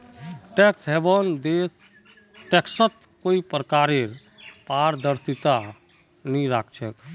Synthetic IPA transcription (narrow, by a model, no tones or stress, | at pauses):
ʈeksɦebənd̪es | ʈeksət̪ | koipɾkaɾeɾ | paɾd̪əɾsit̪a | niɾakʰt͡ʃʰɛ